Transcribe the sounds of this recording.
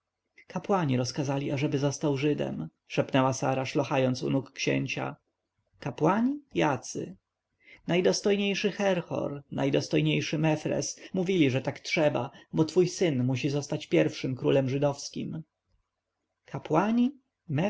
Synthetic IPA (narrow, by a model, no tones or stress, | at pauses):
kapwaɲiɾɔskazalʲiaʐɛbɘzɔst̪awʐɘd̪ɛ̰m | ʂɛpnɛwasa̰ɾaʂlɔxajɔnt̪sṵnukːɕḛɲt͡ɕa̰ | kapwaɲijat̪sɘ̰ | najd̪ɔst̪ɔjɲejʂɘxɛɾxɔ̰ɾnajd̪ɔst̪ɔjɲejʂɘmɛfɾɛ̰smuvʲilʲiʐɛt̪aktʂɛbabɔt̪fujsɘnmuɕizɔst̪at͡ɕpʲjɛɾfʂɘmkɾulɛmʐɘd̪ɔfskʲḭm | kʰapwaɲi | mɛ